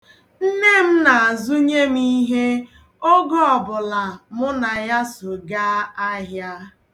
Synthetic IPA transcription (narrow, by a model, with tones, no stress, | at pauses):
n̩˦ne˦m̩˦na˨a˨zu˦ɲe˦m̩i˦ɦe˦ | o˦ɡɔ˦ɔ˨bʊ˨la˨mʊ˦na˨ja˦so˨ɡa˦a˦ɦja˦